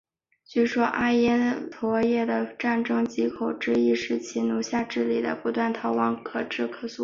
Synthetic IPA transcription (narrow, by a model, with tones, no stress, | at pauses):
t͡ɕy˥˩ʂwɔ˥ʔa˥˧jɛ˥t̪ʰwɔ˧˥jɛ˥˩d̪ə˩ʈ͡ʂa˥˩nʈ͡ʂɤ˥ŋt͡ɕi˥kʰo˨˩ʊʈ͡ʂɻ̩˥˧i˥ʂɻ̩˥˩t͡ɕʰi˥nu˧˥ɕja˥˧ʈ͡ʂɻ̩˥˩li˨˩d̪ə̰˦pu˧˥t̪wa˥˩nt̪ʰɑ˧˥ʊwɑ˧˥ŋkʰɤ˨˩ʈ͡ʂɻ̩˥˩kʰɤ˨˩su˥˩